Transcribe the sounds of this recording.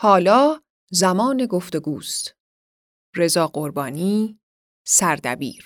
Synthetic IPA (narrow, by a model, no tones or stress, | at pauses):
hɒːlɒː | zæmɒːne̞ɡoft̪e̞ɡuːst̪ | re̞zɒːɢoɾbɒːniː | sæɾd̪æ̰bḭːɾ